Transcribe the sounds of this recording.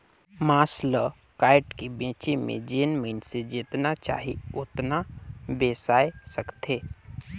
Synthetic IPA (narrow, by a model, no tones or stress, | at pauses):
maːslə | kaːɪʈkebẽːt͡ʃemḛ̃d͡ʒeːnməɪnsed͡ʒiːt̪nat͡ʃa̰ːɦiʊt̪nabeːsaːesəkt̪ʰeː